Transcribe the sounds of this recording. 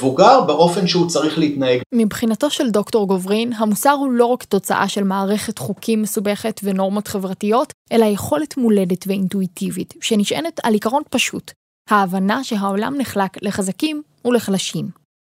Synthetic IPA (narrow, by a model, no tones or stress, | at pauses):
vuɡaʁbeʔo̞fe̞nʃeut͡saʁiχleitnaeɡmibχinato̞ʃe̞ldo̞kto̞ʁɡo̞vʁinɦamusaʁhulo̞ʁakto̞t͡sa̰ʔa̰ʃe̞lmaːʁe̞χe̞tχukʰimːesube̞χe̞tveno̞ʁmo̞tχe̞vʁatijo̞tʔe̞laje̞χo̞letmule̞detveintuitivitʃeniʃʔenetalikaʁo̞npaʃut | haːvanaʃe̞ɦao̞la̰mniχlakle̞χazakim | ule̞χlaʃim